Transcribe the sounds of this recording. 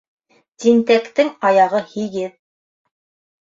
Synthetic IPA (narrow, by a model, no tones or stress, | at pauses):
t̪int̪ækt̪ɘŋɑjɑʁɤhiɡɘð